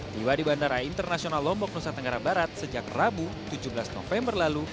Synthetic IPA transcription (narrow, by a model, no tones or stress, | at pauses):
diwadibandaɾaint̪ərnasionalːɔmbɔk̚nusat̪ːəŋɡaɾabaɾat̪̚səd͡ʒakrabut̪ud͡ʒubəlasno̰fɛmbərlalu